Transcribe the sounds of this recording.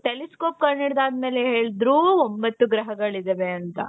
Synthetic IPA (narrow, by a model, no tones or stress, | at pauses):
ʈeliskoːp̚kɐɾɳiɽd̪aːd̪meːleɦe̞ːɭd̪ɾuːombɐt̪ːuɡɾɐɦɐɡɐɭid̪eʋeɐnt̪ɐ̰